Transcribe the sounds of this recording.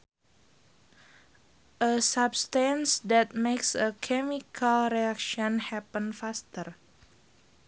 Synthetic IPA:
ʔəsabst̪ansdɛt̪̚meksəkʰɛmikʰalɾɛakʃɔnhɛpə̃nfast̪ər

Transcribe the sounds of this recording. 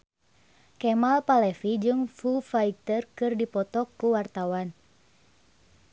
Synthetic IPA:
kɛmalpalɛfid͡ʒɨŋfufaik̚t̪ərkɨrdipɔt̪ɔkːuwart̪awan

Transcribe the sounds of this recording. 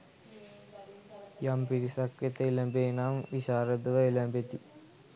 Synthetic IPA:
jɐmpiɾisɐkjɐt̪ːeilɐmbenaːmʋiɕaːɾɐd̪uʋɐilɐmbet̪ːi

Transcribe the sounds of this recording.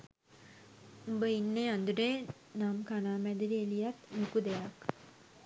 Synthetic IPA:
umbəinːeand̪uɖe | namkanaːmæd̪iɾielijat̪nukud̪ejak

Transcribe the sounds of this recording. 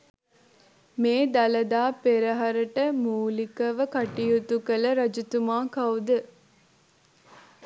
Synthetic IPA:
meːd̪ɐlɐd̪aːpeɾɐɦɐɾɐʈəmuːlikɐʋəkɐʈijut̪ukɐlɐɾɐd͡ʒut̪umaːkɐwd̪ə

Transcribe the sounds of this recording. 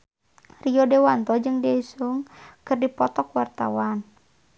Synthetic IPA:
rijɔdewant̪ɔd͡ʒɨŋdɛisuŋkɨrdipɔt̪ɔkwart̪a̰wan

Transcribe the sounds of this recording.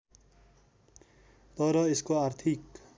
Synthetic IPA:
t̪ʌɾʌeskoaɾt̪ʰik

